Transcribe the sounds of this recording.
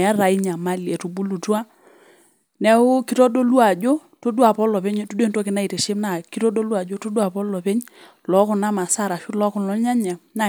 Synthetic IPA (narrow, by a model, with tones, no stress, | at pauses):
a˦ɾa˨i˦ɲa˨ma˨le˨tu˨bu˦lu˨tu˦a˦ | nɛ˦ʊ˦ki˦tɔ˦do˦lu˦a˨d͡ʒo˦to˦du˦a˨pɔ˦lɔ˨pe˦ɲ˦tu˦de˨nto˦kɪ˨na˦i˨te˨ʃe˦mna˦˨ki˦tɔ˦do˦lu˦a˨d͡ʒo˦to˦du˦a˨pɔ˦lɔ˨pe˦ɲ | lɔ˦kʊ˦na˦ma˨sa˦˨ɾa˨ʃu˦lɔ˦kʊ˦nlɔ˨˦ɲa˦ɲa˨na˦˨